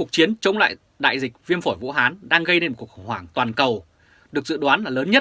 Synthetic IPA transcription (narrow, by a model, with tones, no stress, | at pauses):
u˨˩ək̚t͡ɕi˨˦ənt͡ɕə˨˦wŋ͡mla̰ː˧˨j | ɗa̰ː˧˨jzi˨˩k̟̚vi˧əmfo˧˩jvṵ˧˥ɦaː˨˦nɗaː˧ŋɣə˧jɗe˧nm̚˨˩ku˨˩əkxə˧˩wŋ͡mhwaː˧˩ŋt̪waː˨˩nkə˨˩w | ɗɨ˨˩ək̚zɨ̰˧˨ɗwaː˨˦nlaː˨˩ləː˨˦nɲə˦˥t̚